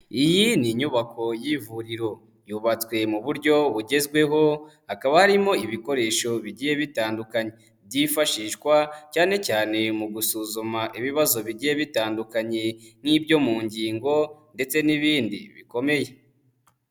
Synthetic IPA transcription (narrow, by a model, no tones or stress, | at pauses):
ijiniɲuβako̞jivuɾiɾo̞ | juβat͡swe̞muβuɾɟo̞βuɟe̞zɡwe̞ɦo̞hakaβahaɾimo̞iβiko̞ɾe̞ːʃo̞βiɟiːje̞βitaːndukaɲe | bɟifaʃiːʃkwacaːnecaːne̞muɡusuzumaʔiβiβazo̞βiɟiːje̞βitaːndukaɲe̞ŋ̥hibɟo̞muːɲɟiːŋɡo̞nde̞t͡se̞niβiːndḭβḭko̞me̞je̞